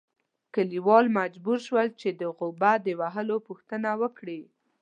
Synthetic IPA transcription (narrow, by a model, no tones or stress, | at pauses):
kəliwɑlmad͡ʒbuɾʃwəlt͡ʃed̪əɣʊbad̪əwaɦəlopuxt̪ənawəkɽi